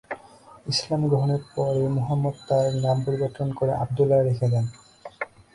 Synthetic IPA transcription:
islamɡɹɔɦɔneɾpɔɹejmuɦamːɔd̪̚t̪aɹnampoɾibɔɾt̪ʰːɔnkoɹeʔab̚d̪ulːaɾekʰed̪ɛn

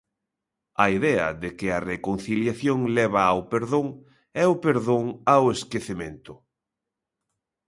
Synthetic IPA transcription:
ɐiðɛɐ̰ðɪkɪɐrekonθiljaθjoŋlɛβ̞ɐːwpeɾðoŋ | ɛʊpeɾðoŋaweskeθemẽnt̪ʊ

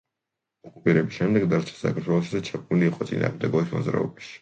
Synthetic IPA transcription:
ɔkʼupʼiɾɛbisʃɛmd̪ɛɡd̪aɾt͡ʃʰɛ̥sa̰kʰaɾt̪ʰwɛlˠɔʃid̪at͡ʃʰakʰniliːqʼɔt̪sʼḭna̰ːʁmd̪ɛɡɔbismɔ̰zɾa̰ɔ̰baʃi̥

